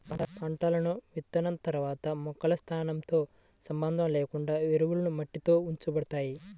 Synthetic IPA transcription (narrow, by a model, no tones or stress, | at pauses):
ɐɽɐpaːɳʈaːlɐnuʋit̪ːɐnɐnt̪ɐɾuʋaːt̪ɐmɔkɐlɐst̪ʰaːnɐmt̪o̞ː | sɐmbɐnd̪ʱɐmleːkuɳɖaːʋeɾuʋulɐnumɐʈːit̪o̞ːuɲt͡ʃubɐɽut̪aːji